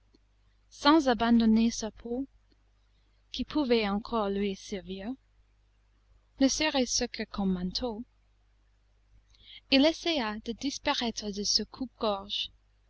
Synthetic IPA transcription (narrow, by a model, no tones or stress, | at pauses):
sɑ̃zabɑ̃nd̪ɔnesapʰo | kipʰuvɛɑ̃kʰɔʁlɥisɛʁviʁ | nəsəʁɛsəkəkʰɔmːɑ̃nt̪ʰo | ilɛsɛjad̪əd̪ispaʁɛt̪χəd̪əsəkʰup̚ɡ̥ɔʁʒ̥